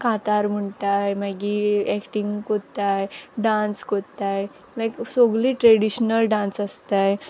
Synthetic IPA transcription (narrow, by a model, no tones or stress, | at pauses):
kat̪aɾm̤əɳʈajmaɡiɛkʈĩŋɡkot̪ajɖãnskot̪aj | lajksoɡliːʈɾɛɽiɕnəlɖãnsəst̪aj